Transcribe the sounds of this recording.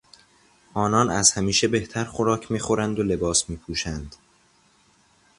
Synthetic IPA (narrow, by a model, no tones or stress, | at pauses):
ʔɒːnɒːnæzhæmiːʃe̞be̞ht̪ʰæɾχoɾɒːcʰmiːxo̞ɾænd̪ole̞bɒːsmiːpʰuːʃænd̪̥